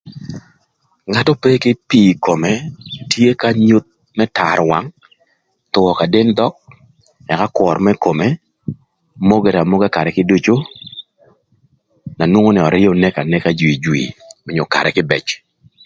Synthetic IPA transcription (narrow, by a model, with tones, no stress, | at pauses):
ŋa˦tɔ˦pe˦kɪ˦piː˨ko˨me˨tje˦ka˦ɲu˦t̪̚ | mɛ˦ta˨ɾwa̰˨˦ŋ | t̪ʊ˨wɔ˨ka˨de˦nd̪ɔ˦k̚ | ɛ˨ka˦kwɔ˨ɾmɛ˦ko˨me˦ | mo˦ɡe˨ɾa˨mo˦ɡe˦ka˨ɾɛ˨kɪ˦du˦t͡ʃo˦ | na˨nwo˦ŋo˦nɛ˨ɔ˨ɾɪ˦jo˨nɛ˦ka˨nɛ˦ka˦d͡ʒwi˨d͡ʒwḭ˨mɔ˨ɲo˨ka̰˨ɾɛ˨kɪ˦bɛ̰˨t͡ʃ